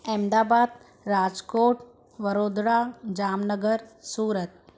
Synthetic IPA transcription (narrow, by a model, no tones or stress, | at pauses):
ɛmd̪aːbaːd̪ | ɾaːd͡ʒkoːʈ | ʋəɾoːd̪ɽad͡ʒaːmnəɡəɾsuːɾət̪̚